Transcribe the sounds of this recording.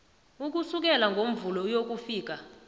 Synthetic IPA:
uk̬usuk̬ɛlaŋɡʱom̩vulɔjok̬ufiːk̬a

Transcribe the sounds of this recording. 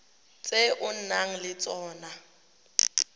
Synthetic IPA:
t͡sʼeʔʊn̩naŋ̩lɪt͡sʼɔːna

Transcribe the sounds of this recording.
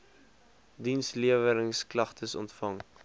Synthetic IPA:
dinsliəvəɾəŋsklɐχtʰəsɔ̰ntfɐŋ

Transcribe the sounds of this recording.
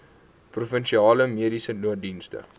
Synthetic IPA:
prufənʃiɑːləmiədisənuət̚dinstə̰

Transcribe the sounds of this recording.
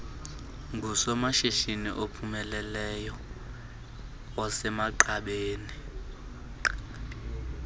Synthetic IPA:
ŋɡʱusɔmaʃiʃinḭʔopʰumɛlɛlɛjɔ | wasɛmaǃaɓeːni

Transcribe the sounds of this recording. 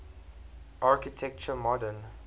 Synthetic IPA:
ʔaɹkitʰɛk̚t͡ʃəmɔdən

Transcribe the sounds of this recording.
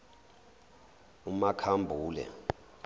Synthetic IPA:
umakʰambʱuːlɛ̰

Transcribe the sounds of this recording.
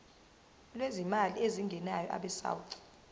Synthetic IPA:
lwezimalieziŋɡʱɛnajɔʔa̰ɓɛsa̰wuǀi̥

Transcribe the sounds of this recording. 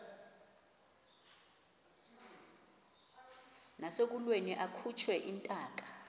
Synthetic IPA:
nasek̬ulweniʔakʰut͡ʃʰwɛʔintʼaːk̬ʼḁ

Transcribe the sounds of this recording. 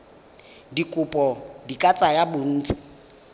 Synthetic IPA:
dikʼʊpʼɔdikʼat͡sʼajabʊn̩ːt͡sʼɪ̥

